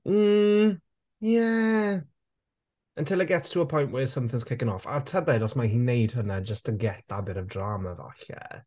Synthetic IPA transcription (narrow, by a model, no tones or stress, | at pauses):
m̩ | jɛ | ə̃ntʰɪlˠəɡ̥ɛttʰəəpʰɔjnʔwɛsə̃mθɪ̃ŋz̥kʰɪkə̃nɔfa̰tʰəbɛdɔsmaɦinejd̥̚hʊnəd͡ʒəstəɡɛt̚abɪɾəvdramava̰ɬɛ̰